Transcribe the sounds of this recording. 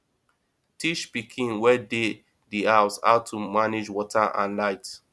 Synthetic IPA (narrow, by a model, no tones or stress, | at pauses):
tʰiʃpikʰĩnwɛde | diaʊsha̰ʊtʰumanid͡ʒwɔtʰaʔã̰nlaɪt